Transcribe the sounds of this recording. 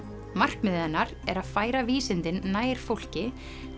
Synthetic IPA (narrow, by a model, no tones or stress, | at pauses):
mar̥kmʏðɛnːaɾɛɾaðfaːjɾaviːsɪnt̪ɪnːaːjɾ̥fowl̥cɪ